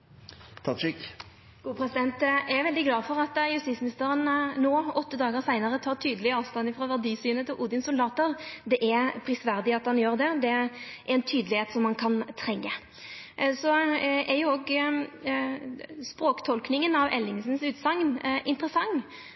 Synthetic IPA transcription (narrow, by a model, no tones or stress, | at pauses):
t̪ʰɑʂɪk | ɡ̥uːpʰɾɛsɪd̪ɛnt̪æʋɛld̪ɪɡlɑːfɔɾɑt̪jʉst̪ɪt̪smɪnɪst̪əɾənːoːɔt̪ːəd̪ɑːɡəsæɪnəʁət̪ʰɑːʁt̪ʰyːd̪əlɪəɑːʋst̪ɑnɪfʁɑʋæʁd̪iːsyːnət̪ʰɪlʔuːd̪ɪnsʊld̪ɑːt̪əʁd̪ɛʔæpʰɾɪsʋæʁd̪ɪɑt̪hɑnjøːɾd̪ɛd̪ɛʔæɾɛnt̪ʰyːd̪əlɪheːt̪sɔmːɑnkʰɑnt̪ʰʁɛŋːə | sɔɛjʊɔɡ | spɾoːkt̪ʰɔlknɪŋənɑʋɛlːɪŋsn̩sʉːt̪sɑŋnʔɪnt̪əʁəsɑŋː